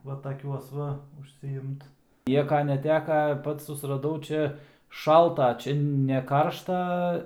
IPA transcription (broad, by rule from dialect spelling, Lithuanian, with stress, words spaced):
ˈʋɐ tɐˈkʲuɔs ʋɐ ʊʃʲsʲɪˈɪmt ˈnʲiɛkɐ nʲɛˈtʲæːkɐ ˈpɐts sʊsrɐˈdɐʊ ˈt͡ʃʲɛ ˈʃɐlˠtɐ ˈt͡ʃʲɛ nʲɛ ˈkɐrʃtɐ